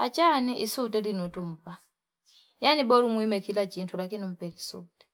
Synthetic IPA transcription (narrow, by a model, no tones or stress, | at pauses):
at͡ʃaniʔisutɛlinutum̩pa | janibɔlumwimɛkilat͡ʃintʰulakinim̩pɛlisṵtɛ̥